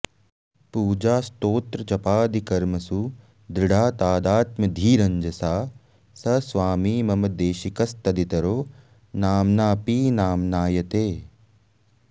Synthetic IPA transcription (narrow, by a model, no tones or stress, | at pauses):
puːd͡ʒaːst̪oːt̪ɾɐt͡ʃɐpaːd̪ikɐɾmɐsu | d̪ɾiɽaːt̪aːd̪aːt̪mɐd̪ʱiːɾɐɲd͡ʒɐsaː | sɐsʋaːmiːmɐmɐd̪eːʃikɐst̪ɐd̪it̪ɐɾoː | naːmnaːpiːnaːmnaːjɐt̪eː